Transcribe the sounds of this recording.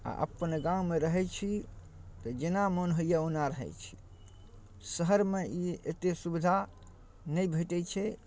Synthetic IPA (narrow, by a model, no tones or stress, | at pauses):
a̰ʔə̰pənɡãumeɾəɦɛt͡ʃʰi | t̪ɔd͡ʒenamənɦoijaunaɾəɦɛ̰t͡ʃʰi̥ | səɦəɾmeiḛt̪esubid̪ʱa | nəjbʱəʈɛt͡ʃʰɛ